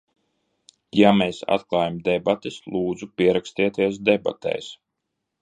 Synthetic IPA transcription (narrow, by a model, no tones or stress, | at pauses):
jameːsa̰t̪klˠaːjamd̪ɛbat̪islˠuːd̪zupiɛɾakst̪iɛt̪iɛs̬d̪ɛba̰t̪ʰɛ̰js